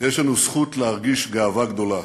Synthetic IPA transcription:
jeʃlanusχut̪lehaʁɡiʃɡaːvaɡd̪o̞la

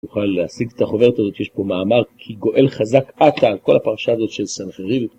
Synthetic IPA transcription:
uχalːeasiɡet̪aχo̞ve̞ʁet̪azo̞t̪jeʃpo̞maːmaʁkʰiɡo̞ʔe̞lχazakat̪aːlko̞lapaʁaʃaːzo̞t̪ʃelsanχeʁiv

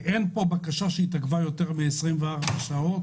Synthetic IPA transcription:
ʔenpo̞bakaʃaʃeit̪aɡvajo̞t̪eʁmiesʁimveaʁbaʃao̞t̪

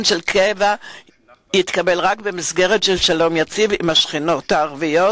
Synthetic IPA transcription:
nʃelkʰeva | jit̪kabe̞lʁakbe̞misɡe̞ʁetʃelʃalo̞mjat͡sivimhaʃχino̞taːʁvijo

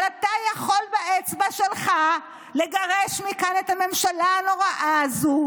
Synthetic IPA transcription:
lat̪ajaχo̞lbaʔet͡sbaʃelχa | le̞ɡaʁeʃmikanetame̞mʃalaːno̞ʁaʔazu

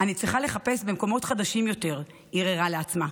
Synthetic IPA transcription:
anit͡sʁiχale̞χape̞sbe̞mko̞mo̞tχadaʃimjo̞te̞ʁ | iʁeʁaleat͡sma

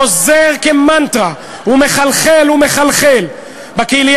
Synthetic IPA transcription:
ozeʁkemant̪ʁa | umeχalχelume̞χalχel | bakelij

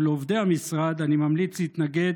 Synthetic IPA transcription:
leovd̪eamisʁad̪animamlit͡shit̪naɡe̞

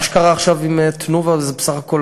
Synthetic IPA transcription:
ʃe̥kaʁaːχʃavimet̪nuvazebesaχako̞l

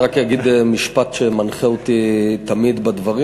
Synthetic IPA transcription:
ʁakjaɡid̪miʃpat̪ʃemanχeot̪it̪amid̪bad̪vaʁi

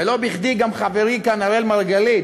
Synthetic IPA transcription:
elobiχd̪iɡamχaveʁikanaʁelmaʁɡali

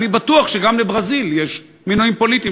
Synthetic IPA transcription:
nibat̪uaχʃeɡamlebʁaziljeʃ | minoimpo̞lit̪i

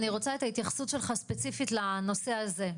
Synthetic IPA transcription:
niʁo̞t͡saet̪ait̪jaχsut̪ʃelχaspet͡sifitlano̞seaze̞

